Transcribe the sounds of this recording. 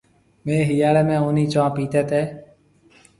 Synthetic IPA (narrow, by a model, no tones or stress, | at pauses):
mẽːɦijaːɽeːmẽːoːniːt͡ʃãːpiːt̪eːt̪eː